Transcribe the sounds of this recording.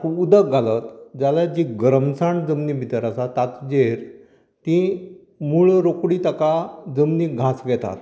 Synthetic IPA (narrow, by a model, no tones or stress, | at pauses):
uud̪əkɡʱalət̪d͡zalad͡ʑiɡɾəmsaɳd͡zəmnibʱit̪əɾasat̪at̪d͡ʑeɾ | t̪ĩ | muɭɾokɽiːt̪əkad͡zəmniːɡʱasɡʱɛt̪a̰t̪